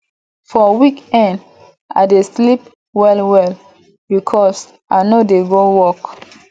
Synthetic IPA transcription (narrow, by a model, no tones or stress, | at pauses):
fɔwikɛ̃nd | a̰ɪdeslip̚ | wɛlwɛl | bikʰɔs | ʔaɪnodeɡowɔk